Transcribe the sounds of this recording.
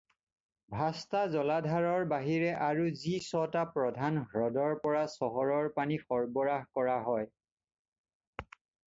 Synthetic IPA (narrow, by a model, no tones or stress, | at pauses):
bʱastazɔladʱaɹɔɹbaɦiɹɛʔaɹuzisɔtapɹɔdʱanɦɹɔdɔɹpɔɹasɔɦɔɹɔɹpanixɔɹbɔɹaɦkɔɹaɦɔj